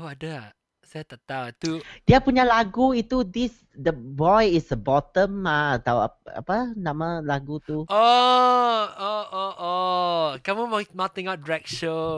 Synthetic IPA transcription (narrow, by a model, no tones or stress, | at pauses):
awadəa | sajat̪at̪awt̪ud̥iapuɲalaɡuit̪udis | dəbɔjisəbɔt̪ə̃maat̪awa̰a̰panãmalaɡut̪uo | ooʔokaməmmat̪ĩŋaʊt̚dɹɛk̚ʃo